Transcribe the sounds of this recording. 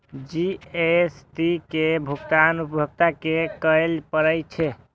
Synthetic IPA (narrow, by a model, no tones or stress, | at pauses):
d͡ʒiesʈikebʱukt̪anupəbʱək̚t̪akekəjlpəɾəjt͡ʃʰɛ